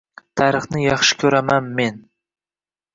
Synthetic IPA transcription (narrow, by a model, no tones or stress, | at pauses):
t̪ʰaɾɨχnɪjɑχʃɪ̥kʲʰɵɾamanme̞n